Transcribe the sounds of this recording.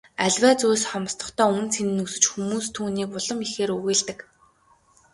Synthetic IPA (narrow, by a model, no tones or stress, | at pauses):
æɮʲwæːt͡suːsχɔm̆st̪ɞ̆χt̪ʰœːunt͡sʰenɘ̆nusɵ̆t͡ɕxumuːst̪ʰuːniːkʊɮɞ̆mixeːɾɵɣeːɮt̪ɘ̆k